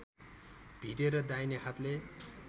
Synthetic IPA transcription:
b̥ʱiɾeɾʌd̪ajnehat̪le

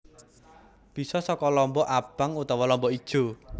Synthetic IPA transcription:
b̥i̤sɔsɔkɔlɔmbɔʔab̥a̤ŋut̪awɔlɔmbɔid̥ʒ̥o̤

